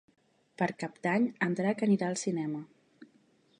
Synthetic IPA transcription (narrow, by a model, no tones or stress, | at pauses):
pəɾkap̚d̪aɲənd̪ɾakəniɾaəlˠsinɛmə